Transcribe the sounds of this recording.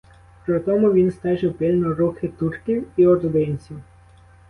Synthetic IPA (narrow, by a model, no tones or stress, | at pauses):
pɾɔt̪ɔmʊʋʲinst̪ɛʃɛpɪlʲnɔɾuxɪt̪urkʲiwiɔɾd̪enʲt͡sʲiw